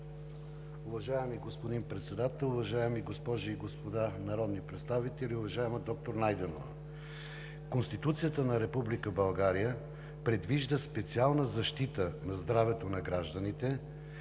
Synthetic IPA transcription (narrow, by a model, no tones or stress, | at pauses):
uvɐʒaɛmiɡospod̪inpɾɛt̪sɛd̪at̪ɛlˠʊvɐʒaɛmiɡospɔʒiːɡospod̪anɐɾɔd̪nipɾɛt̪st̪avit̪ɛliʊvɐʒaɛməd̪ɔk̚t̪oɾnajd̪ɛnovə̰ | konst̪it̪ut̪sijət̪ənɐɾɛpublikəbɐlˠɡaɾijə | pɾɛd̪viʒd̪əspɛt̪sialˠnəzɐʃt̪it̪ənɐzd̪ɾavɛt̪onɐɡɾaʒd̪ənit̪ɛ